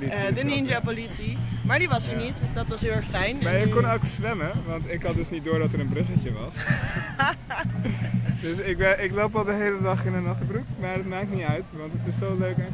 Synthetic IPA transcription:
lidənind͡ʒapolitsimaːɹdiʋɑsəɹnitdəsdɑtʋɑsɦɪlˠɛɹχfɛjnmaːɹjəkɔnoksʋɛməʋɑntɪkɦɑt̚dəsnit̚dʊːɹdɑtəɾənbrɪχəcəʋɑs | døsɪk̚bɛʔɪklowpɑlˠdəɦejlədɑχɪndənɑχtəbrukmaːɹətmaːk̚tniœɥtʋɑntətɪsːowløɥk

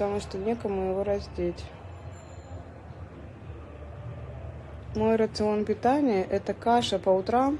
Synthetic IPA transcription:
t̪ɐmuʂt̪onʲe̞kəmʊjɪvoɾɐzʲt̪ʲetʲ | mo̞jɾət̪sɨo̞npʲɪt̪anʲɪjəʔɛt̪əkaʂəpəʊt̪ɾam

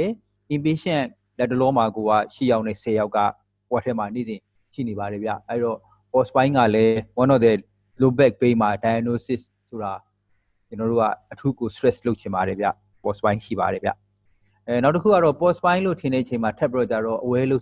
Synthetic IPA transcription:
ɛ | ʔɪ̃mpeʃɛ̃ | lɛtːəlɔmaɡoa̰ʃijaʊʔnɛ̰sʰɛjaʊʔkːa̰ | watʰɛmanḛzɪ̃ | ʃḭnebaɾɛbja̰ʔɛjɾɔ | pɔspãɪ̃ŋɡa̰lɛwɔ̃nɔd̪ɛ | lobɛk̚pẽmadajanosɪs | soɾa | t͡ɕənɔɾo̰ɡa̰ʔətʰukostɹɛslot̚t͡ɕʰɪ̃mbaɾɛbja̰ | pɔspãɪ̃ʃḭba̰ɾɛbja̰ | naʊtəkʰṵɡaɔpɔspãɪ̃lotʰɪ̃ndɛʔət͡ɕʰẽɪ̃matʰɛpːiɔt͡ɕaɾɔʔəwɛloʊ

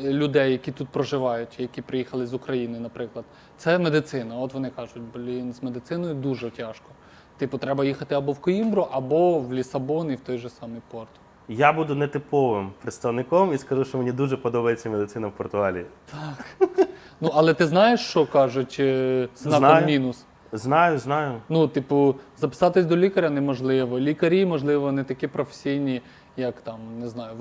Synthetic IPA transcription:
lʲʊd̪ɛjːɐkʲit̪ut̪̚pɾɔʒɪʋɑjʊtʲjɐkʲipɾɪjixɐlˠɪzʊkɾɐjinɪnɐpɾɪklˠɐd̪̚ | t̪sɛmed̪ɪt̪sɪnɐɔt̪ʋɔnɪkɑʒʊt̚ʲblʲinzmed̪ɪsɪnɔjʊd̪uʒɛtʲɑʃkɔ | t̪ɪpʊt̪ɾɛbɐjixɐt̪ɪɐbɔwkɔimbɾʊʔɐbɔwlʲisɐbɔniwt̪ɔjʒɛsɑmɪjpɔrt̪ | jabud̪ʊnɛt̪ɪpɔʋɪmpɾɪt̪st̪ɐʋnɪkɔmiskɐʒuʃt͡ʃɔmenʲid̪uʒɛpɔd̪ɔbɐjet͡sʲːɐmed̪ɪt̪ɪnɐwpɔrt̪ʊɑlʲḭːt̪ʰɑknuʔɐlˠɛt̪ɪznɑjeʃt͡ʃɔkɑʒʊtʲznɑnkɔjmʲinʊs | znɑjʊznɑjʊnut̪ipʊzɐpɪ̥sɑt̪ɪsʲd̪ɔlʲikɐɾʲɐnɛmɔʒlˠɪʋɔlʲikɐɾʲimɔʒlˠɪʋɔnɛt̪ɐkʲipɾɔfe̥sʲijnʲi | jɐkt̪ɑmneznɑjʊ

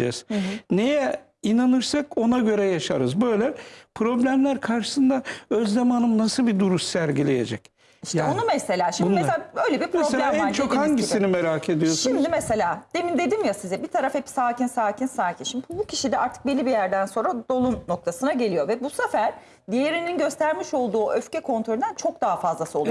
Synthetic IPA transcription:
ɛ̰z̥nejɛ | inanɯɾsako̞naɟø̞ɾɛjaʃaɾɯzbø̞jlʲɛpʰɾo̞blʲæmlʲæɾkʰaɾʃɯ̥sɯnd̪aøzzamanɯmnasɯlˠbid̪uɾuʃsæɾɟilʲejḛd͡ʒɛc | iʃt̪ɛonumese̞lʲaːʃimd̪mesø̞jlʲebipʰmɾeoselʲamaɾt͡ʃʰokhaɲɟisinimeɾakʰe̞d̪ijo̞sʃuimd̪imese̞lʲaːd̪̥emind̪e̞d̪imjasizɛbit̪ʰaɾafhepsaːcinsaːcʰinsaːcʰinʃimd̪i̥bucʰiʃid̪ɛaɾt̪ʰɯ̥k̚belʲːibijæɾd̪ænso̞nɾad̪o̞lˠunːo̞k̚t̪ʰasɯnaɟelʲijo̞vɛbusafæɾ̥ | d̪ijeɾininɟø̞st̪ʰæɾmiʃo̞lˠd̪uːʔøfcɛkʰo̞nt̪ɾolʲinænt͡ʃʰo̞k̚d̪aɦafazlˠasɯolˠuj

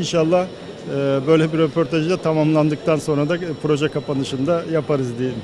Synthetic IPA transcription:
inʃalˠːah | ɯːbø̞jlʲɛbiɾɛpʰo̞ɾt̪ʰaʒd̪at̪ʰamamlˠand̪ɯk̚t̪ʰanso̞nɾad̪apʰɾo̞ʒɛkapʰanɯʃɯnd̪ajapʰaɾɯzd̪ijim

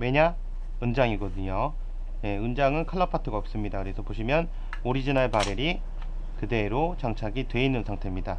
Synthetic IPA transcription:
me̞ɲa | ɯnd͡ʑaŋiɡʌdɯɲo | je̞ɯnd͡ʑaŋɯnkʰaɭːapʰatʰɯɡaʌp̚s͈ɯmɲidakɯɾe̞sʰʌpoɕʰimjʌn | oɾid͡ʑinaɭpaɾeɾi | kɯde̞ɾot͡ɕaŋt͡ɕʰaɡitwe̞inːɯnsʰaŋtʰe̞mɲida

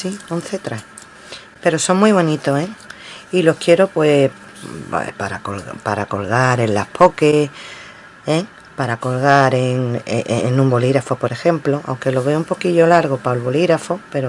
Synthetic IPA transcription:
siõn̟θet̪ɾa | pe̞ɾo̞so̞ŋmwiβ̞o̞nit̪o̞eilo̞hkje̞ɾo̞pwe̞̰ | pa̰ɾa̰ko̰lpaɾako̞̰lɣaɾe̞nlahpʰo̞ke | e | paɾako̞lɣaɾeŋ̰enũmbo̞liɾafopo̞ɾexẽ̞mplo̞ʔa̰wŋke̞lo̞β̞e̞oumpo̞kiʎo̞laɾɣ̞o̞paolβo̞liɣɾafo̞pe̞ɾo

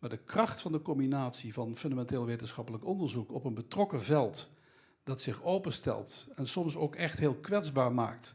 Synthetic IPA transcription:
maːɹdəkrɑχtfɑndəkɔmbinaːtsivɑnfɵndamɛnteːlˠʋeːjtənsχɑpələkɔndəɹzukɔpənbətrɔkəvɛlˠt | d̥ɑtsɪχowpəstɛ̰lˠtɛnsɔmsowkɛχtɦeːlˠkʋɛdzbaːɹma̰ːkt

